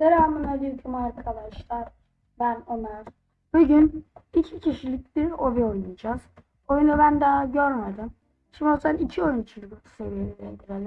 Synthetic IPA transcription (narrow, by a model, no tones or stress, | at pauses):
zeɾaamanad̪iɾkʰumaɾkʰalaʃt̪aɾ | bænonaɾ̥ | b̥uɟynicʰicʰiʃilʲic̚b̪ioviojmud͡ʒaz̥ | o̞junubænd̪aɦaɟøɾmed̪im | ʃimbiozbanicʰio̞junt͡ʃʰɯɾɡuu̥se̞vijelid̪ed̪iɾelʲi